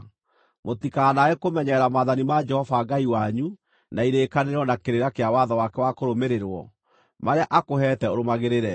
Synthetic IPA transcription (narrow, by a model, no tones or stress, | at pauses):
motikanaekomɛɲɛɾamaːðanimad͡ʒɛhɔvaɡaiwaɲu | naiɾeːkaneɾɔnakeɾeɾakeawaðawakɛwakoɾomeɾeɾwɔ̰ | maɾeaʔakoɦɛtɛoɾomaɣeɾeɾɛ